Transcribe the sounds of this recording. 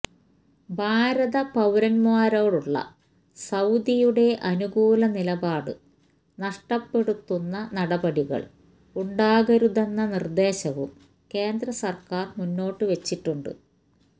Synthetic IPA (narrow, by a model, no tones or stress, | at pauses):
bʱaːɾɐðɐpɐwɾɐnmwaːɾoːɽuɭːɐ̰ | sɐwd̪ijuɽe̞ʔɐnuɡuːlɐnilɐbaːɽɨ̰ | nɐʂʈɐpːe̞ɽut̪ːunːɐnɐɽɐbɐɽiɣɐ̰ɭ | uɳɖaːɣɐɾuðenːɐnird̪e̞ːɕɐʋṵm | ke̞ːnd̪rɐsɐrkaːrmunːo̞ːʈːɨʋe̞t͡ɕːiʈːuɳɖɨ̰